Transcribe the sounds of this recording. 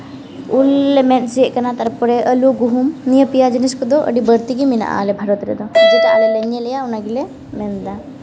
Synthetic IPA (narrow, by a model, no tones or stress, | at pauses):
ulːemensikɐnat̪ɐɾɐpuɾeʔɐluɡuɦumnijɐpijad͡ʒɐniskud̪oʔɐ̰ɽibɐɾt̪iɡiminɐ̰ʔa̰ːlebʱɐɾot̪iɾed̪od͡ʒit̪aːlelenjɐlɐjaunaɡile | mend̪a